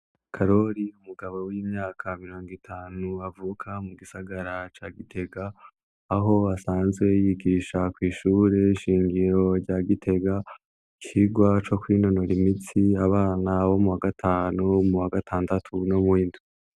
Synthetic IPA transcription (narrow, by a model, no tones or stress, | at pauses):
kʰaɾo̞ɾiumuɡaβo̞wiːmɲaːkʰamiɾo̞ːŋɡitʰaːnuavuːkʰamuɡisaɡaɾat͡ʃaːɡitʰe̞ɡaː | ɦo̞asaːnzɡwe̞jiɡiʃakwiːʃuːɾe̞iʃiːŋɡiɾo̞ɾɟaɡitʰe̞ɡa | kʰiɡwat͡ʃo̞kwino̞no̞ɾimitiaβaːnawo̞muwaɡatʰaːnumuwaɡatʰaːndatʰunomwiːndu